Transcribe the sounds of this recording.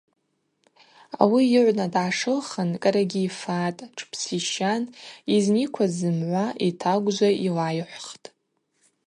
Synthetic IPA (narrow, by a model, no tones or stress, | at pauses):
a̰wiɪʕʷnadʕaʂɨlχənkʼaɾaɡʲiːfatʼʈ͡ʂʰpʰsiʃaniznikʷʰazɨmʕʷaʔitʰaɡʷzʷailajħʷχtʼ